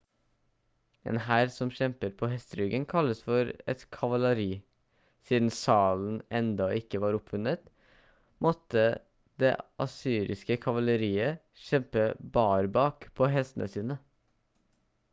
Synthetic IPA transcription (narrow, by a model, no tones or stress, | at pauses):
ɛ̰ːnhæːɾsɔmʃɛmpəɾpʰoːhɛst̪əɾʉɡənkʰɑlːəsfɔɾɛ̰t̪kʰɑʋɑləɾiː | siːd̪n̩sɑːln̩ɛnd̪ɑɪkːəʋɑːɾʊpʋʉnət̪ | mɔt̪ːə | d̪ḛːʔɑ̰syːɾɪ̰skəkʰɑʋɑləɾiːə | ʃɛmpəbɑːɾbɑːkpʰoːɦɛst̪ənʔə̰siːnə